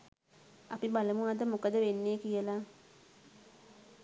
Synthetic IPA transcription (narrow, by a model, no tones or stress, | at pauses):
apibaləmuad̪əmokəd̪əʋenːeːkijəla